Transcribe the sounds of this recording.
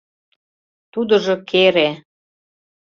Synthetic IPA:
t̪ud̪ə̆ʒɤ̆kʰeɾe

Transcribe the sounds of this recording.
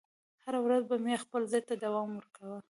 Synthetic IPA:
haɾawɾazbamexpəlzɑjt̪ad̪awɑmwəɾkawə

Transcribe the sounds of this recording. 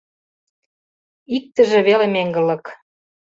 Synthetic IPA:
ik̚t̪ə̆ʒĕβelemeŋɡə̆lɤ̆k

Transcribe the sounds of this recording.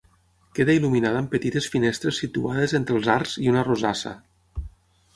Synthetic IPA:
keðailuminaðaːmpət̪it̪esfinest̪ɾesːit̪uað̞ezent̪ɾelˠzarz̥iunarozasa̰

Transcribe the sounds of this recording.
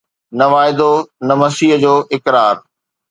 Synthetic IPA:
nɐʋaːɪd̪onɐmɐsiːɦd͡ʑoːʔɪkɾaːɾ

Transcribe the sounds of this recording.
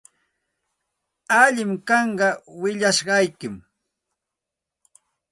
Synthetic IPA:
aʎɪmkɑɴɢɑwɪʎaʃɢɑjkɪm

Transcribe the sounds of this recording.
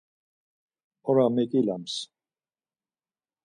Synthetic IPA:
ɔɾamɛkʼilams

